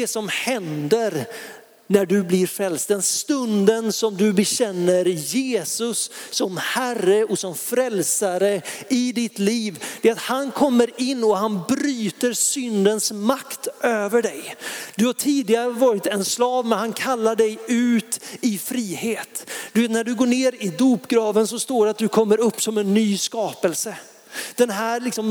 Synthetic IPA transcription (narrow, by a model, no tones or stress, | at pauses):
d̪ɛsɔmhɛnd̪əɾ | næɖɵblɪɾfɾɛlst̪̚d̪ɛnst̪ɵnd̪ənsɔmd̪ɵbɛɕɛnːəɾjeːsɵsːɔmhærəɔsɔmfɾɛlsaɾəɪd̪ɪt̪liːvd̪̥ɛat̪hankʰɔmːəɾɪnːɔɦanbɾyːt̪əɾsʏnd̪ənsmakt̪ʔøːvəɖɛjd̪ɵhaʈʰiːd̪ɪɡaɾəvɑːɾɪt̪ɛnslɑːvmɛnhankʰalːaɖɛjʉ̟ːt̪ɪfɾiːheːt̪d̪̥ɵveːt̪næɖɵɡoːɳeːɾɪd̪uːpɡɾɑːvənsɔst̪oːɖɛat̪̚d̪ɵkʰɔmːəɾɵpːsɔmɛnːyːskɑːpəlsə | d̪̥ɛnɦæːɾlɪksɔm